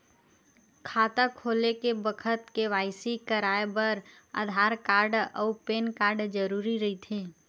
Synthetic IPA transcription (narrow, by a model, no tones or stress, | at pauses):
kʰaːt̪akʰoːlekebəkʰət̪keʋaːɪsikəɾaːebəɾ | ə̰d̪ʱaːɾkaːɾɖɔːpeːnkaːɾɖd͡ʒəɾuːɾiɾɐɦit̪ʰẽː